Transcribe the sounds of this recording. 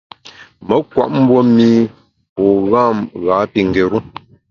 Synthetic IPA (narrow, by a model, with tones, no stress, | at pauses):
mə˨˦kwa̰˨ʔm̩˦bwo˦miː˦ | pɔː˨ɣa˦˨mɣa˨˦pi˨ŋ̩˨ɡe˨ɾu˦